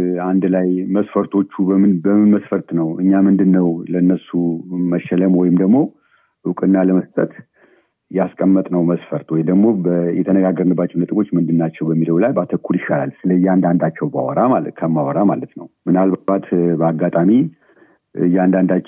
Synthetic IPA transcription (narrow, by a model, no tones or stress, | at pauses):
and̪lajməsfəɾt̪ʰo̞t͡ʃːubəmɨnbəmɨnməsfəɾt̪nəwɨɲːamɨnd̪ɨnːəwlənːəsuməʃɛləmwɔjɪmd̪əɡmo̞ | ɨkʼɨnːaləməst̪ʼət̪ | jaskʼəmːət̪ʼnəwməsfəɾt̪wɔjd̪əɡmo̞bəjɛt̪ʰənəɡaɡːəɾnɨbːat͡ʃːɛnət̪ʼɨɡo̞t͡ʃːmɨnd̪ɨnːat͡ʃːɛwbəmːiləwlajbat̪ʰəkʰːuljɪʃala̰lsɨləɨjːand̪and̪at͡ʃːɛwba̰wɔɾamakʰəmːawɔɾamalət̪nəwmɨnalbaat̪bəaɡːat̪ʼami | ɨjand̪and̪a